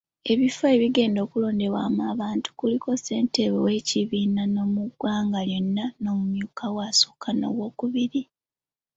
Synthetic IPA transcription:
e̞βifoeβiɡe̞ːndo̞ːkulo̞ːnde̞wa̰ːmaːβaːntu̥kuliko̞se̞ːnte̞βḛwe̞ciβiːnano̞muɡwaːŋɡaljo̞nːano̞ːmumjuːkʰawaːso̥kʰano̞̰wo̞ːkuβiɾi

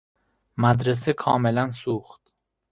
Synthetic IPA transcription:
mæd̪ɾes̬ekʰɒːmelænsuːxt̪

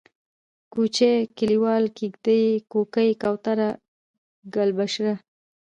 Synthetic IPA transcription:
kut͡ʃekiliwɑlkiɡd̪ajkokajkawt̪aɾa | ɡalbaʃɾa

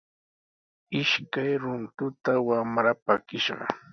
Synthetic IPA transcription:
ɪʃkajɾʊnt̪ʊt̪awamɾapakɪʃɢɑ̰

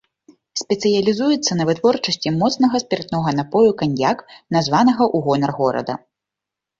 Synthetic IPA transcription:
sʲpʲɛt̪sɨjɐlʲizujɛt̪sːɐnɐvɨt̪vɔrt͡ʂɐsʲt͡sʲimɔt̪snɐɣɐsʲpʲɛrt̪nɔɣɐnapɔjukanʲjaknazvanɐɣɐʔuɣɔnɐrɣɔɾɐ̰d̪ɐ̰

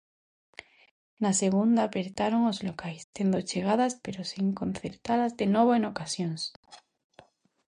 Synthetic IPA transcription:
naseɣ̞und̪aːpeɾt̪aɾoŋozlokajst̪end̪ot͡ʃeɣ̞aðaspeɾosiŋkõ̞n̟θeɾt̪aðazðenoβoenokasjoŋs

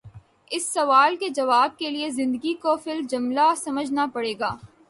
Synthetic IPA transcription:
ɪsːɐʋaːlked͡ʒɐʋaːb̚keliezɪ̃nd̪əɡikofɪld͡ʒʊmlasɐməd͡ʒʱnapɐɽeːɡaː

